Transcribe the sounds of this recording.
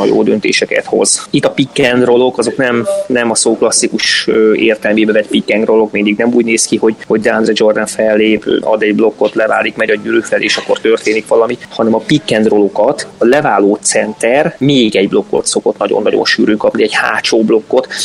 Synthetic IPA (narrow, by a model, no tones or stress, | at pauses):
jo̰ːd̪ønt̪ḛːʃɛkɛ̰t̪ho̞̰z̥it̪ːɒpikːɛnd̪ro̞lo̞kɒzo̞knɛmnɛmɒsoːklɒsːikuʃøeːrt̪ɛlmeːbɛvɛt̪pikːɛŋɡro̞lo̞kmind̪iɡnɛmuːɟneːskiho̞ɟho̞ɟd̪and̪rɛd͡ʒo̞rd̪ɛnfɛlːeːpːɒ̰d̪ɛɟblo̞kːo̞t̪lɛva̰ːlikmɛɟɒɟyɾyːfɛlḛːʃɒkːo̞rt̪ørt̪eːnikʋɒlɒmihɒnɛmɒpikːɛnd̪ro̞lo̞kɒt̪ɒlɛvaːloːt̪sɛnt̪ɛrmeːɡɛɟblo̞kːo̞̰t̪so̞ko̞̰t̪nɒɟo̰nːɒɟo̰nʃyːɾøːŋkɒpneɛɟha̰ːt͡ʃoːblo̞kːo̞t̪